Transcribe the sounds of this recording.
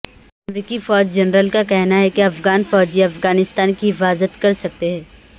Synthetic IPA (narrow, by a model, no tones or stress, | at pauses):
ɐmɾiːkifɔːd͡ʒd͡ʒɐnɾəlkakɛɦnaɦɛkeɐfɡaːnfɔːd͡ʒiɐfɡaːnɪst̪aːnkiɦɪfaːzət̪kɐɾsɐk̚t̪eɦɛ̃ː